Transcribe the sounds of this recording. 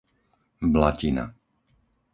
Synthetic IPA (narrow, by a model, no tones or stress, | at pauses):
blacina̰